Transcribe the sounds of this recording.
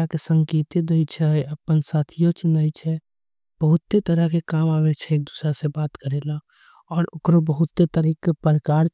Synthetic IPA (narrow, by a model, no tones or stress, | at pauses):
kesə̃ŋkeːt̪ed̪eit͡ʃʰɛəpənsaːt̪ʰijõt͡ʃʊnaːit͡ʃʰɛ | b̥əɦʊt̪ːet̪əɾəkekaːmaːwet͡ʃʰɛeːk̚d̪usɾasebaːt̪kəɾela | ɔːɾʊkɾobəɦʊt̪ːet̪əɾikːepəɾəkaːɾ